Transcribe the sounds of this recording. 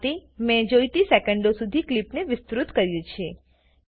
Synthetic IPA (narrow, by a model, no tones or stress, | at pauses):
t̪imɛ̃d͡ʒojt̪isekəɳɖosud̪ʱiklipneʋɪst̪ɾut̪kəɾjũt͡ʃʰe